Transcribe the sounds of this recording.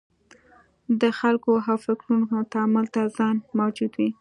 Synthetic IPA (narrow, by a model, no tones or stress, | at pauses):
d̪əxalkoɦawfɪkɾunkot̪aamʊlt̪azɑnmawd͡ʒud̪wi